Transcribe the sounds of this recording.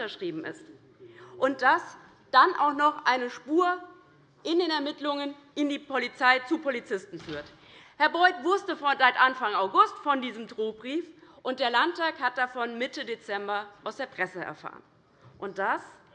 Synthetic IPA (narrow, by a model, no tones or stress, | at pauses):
ɐʃʁ̥iːbm̩ɪ̰st | ʔʊnt̚d̥as | d̥anʔa̰ʊxnɔχʔaɪnəʃpuːɐ | ʔɪndeːnɛɐmɪtlʊŋən | ʔɪndiːpʰolit͡saɪt͡supʰolit͡sɪstn̩fyːɐt | hɛɐbɔʏtv̥ʊɐstəzaɪtʔanfaŋaʊɡʊstfɔndiːzəmtʁoːbʁiːfʔʊnt̚d̥eːɐlantaːkhat̚d̥afɔnmɪtədet͡sɛmbɐʔaʊsd̥eːɐpʁ̥ɛsəɛ̰ɐfa̰ːʁən | ʔʊnt̚d̥as